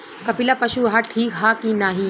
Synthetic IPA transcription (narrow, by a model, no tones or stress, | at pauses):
kɐpɪlapɐʃuɦaʈʰiːkɦaːkinaːɦi